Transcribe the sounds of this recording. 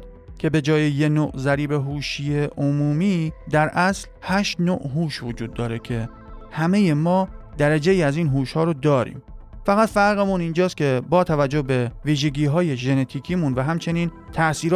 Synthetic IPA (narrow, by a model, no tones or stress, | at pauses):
cʲʰe̞be̞d͡ʒɒːjejenoːʔzæɾiːbeɦuːʃijeʔomuːmiːd̪æɾʔæslhæːʃt̪noːʔɦuːʃvod͡ʒuːd̪ːɒːɾe̞cʰe̞ | hæme̞je̞mɒːd̪̥æɾæd͡ʒe̞jiːæziːnɦuːʃhɒːɾod̪ɒːɾḭːmfæɣæt̪fæɾɣemunind͡ʒɒːst̪kʲcʰe̞bɒːt̪ʰævæd͡ʒːohbe̞viːʒe̞ɡiːɦɒːjeʒe̞ne̞t̪ʰiːkʰiːmunvæɦæmt͡ʃʰe̞niːn | t̪ʰæʔsiːɾ